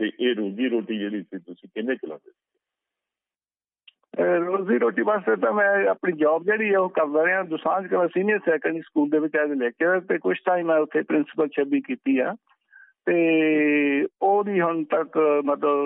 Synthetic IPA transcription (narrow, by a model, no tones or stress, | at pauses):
t̪eːʔeːɾoːziːɾoːʈiːd͡ʒeːɽiːt̪ʰiːt̪ʊsĩːkɪnẽːkɪla̰ːd̪eːseː | ɾoːziːɾoːʈiːbəsd̪eːt̪ãːmɛ̃ːaːpɳiːd͡ʒɔːb̚d͡ʒeːɽiːɛːoːkəɾd̪aːɾeãːd̪ʊsãːd͡ʒkəlãːsiːnɪjəɾsɛːkəniːskuːld̪eːʋɪt͡ʃaːd̪eːlɛːket̪eːkʊt͡ʃʰʈ̪aːĩːmɛ̃ːʊt̪ʰːeːpɾɪnsɪ̥pəlʃʰəbiːkiːt̪iːɦaː | t̪eː | oːd̪iːɦʊɳt̪əkmət̪ləb